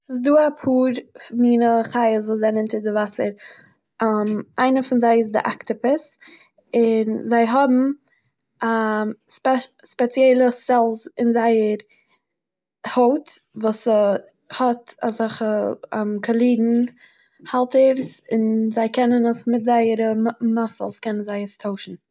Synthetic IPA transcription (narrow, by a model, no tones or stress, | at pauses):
sɪs̬duːapʰuːɾfmiːnəχaɪəsvuːszaɪnɪntɪdɪvasəɾ | mʔaɪnəfɪnzaɪɪsdɪ̰ʔaktɪpɪs | ɪnzaɪɦɔbm̩ | aspɛspɛt͡sjɛlˠəsɛlˠsɪnzaɪəɾ | hoʊtvuːsə | hɔtazaχəamkʰɔlˠiːdn̩ | halˠtəɾsɪnzaɪkʰɛnənəsmɪtzaɪəɾəmasl̩ˠskɛnən̩zaɪəstʰoʊʃn̩